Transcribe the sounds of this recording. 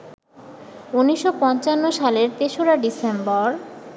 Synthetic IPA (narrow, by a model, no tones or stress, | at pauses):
unːiʃːopɔnt͡ɕanːoʃaleɾt̪eʃoɾaɖisembɔɾ